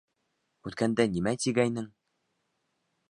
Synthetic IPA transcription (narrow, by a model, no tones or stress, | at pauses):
ʉt̪kænd̪ænimæt̪iɡæjnɘŋ